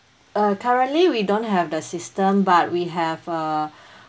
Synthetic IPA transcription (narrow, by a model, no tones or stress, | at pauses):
ʌkʰaɹə̃nliwidõnɦɛvdəsistə̃mbat̚wiɦɛva